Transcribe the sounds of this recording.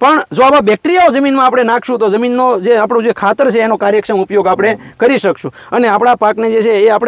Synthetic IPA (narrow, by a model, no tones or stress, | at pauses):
pəɳd͡ʒoababɛk̚ʈɾijaod͡ʒəminmãapɽ̃enãkʰʃũt̪od͡ʒəminːod͡ʒeapɽõd͡ʒekʰat̪əɾt͡ʃʰeːnokaɾjəkʃəmupjoɡapɽ̃e | kəɾiʃəkʃũ | əneapɽ̃apakned͡ʒet͡ʃʰeːapɽ